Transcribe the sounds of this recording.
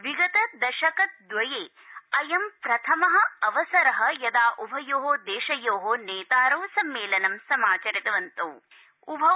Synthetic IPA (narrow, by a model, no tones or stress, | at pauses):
ʋiɡɐt̪ɐd̪ɐʃɐkɐt̪̚d̪ʋɐjeː | ɐjɐmpɾɐt̪ʰɐmɐɦɐ̆ɐʋɐsɐɾɐɦɐ̆jɐd̪aːʔubʱɐjoːɦoːd̪eːʃɐjoːɦoneːt̪aːɾɐwsɐmːeːlɐnɐmsɐmaːt͡ʃɐɾit̪ɐʋɐnt̪oː | ubʱɐ